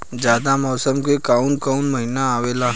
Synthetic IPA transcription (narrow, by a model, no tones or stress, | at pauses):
d͡ʒjaːd̪amɔːsəmkekaunkaunməɦinaaʋeːla